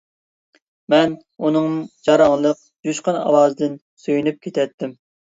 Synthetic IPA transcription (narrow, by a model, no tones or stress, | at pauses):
mɛn | unɨŋmd͡ʒɑɾɑŋlˠəq̚d͡ʒyʃqɑnɑ̰wɑːzɨd̪ɪn | syjynyp̚kʲʰet̪ʰɛt̪ʰːɪm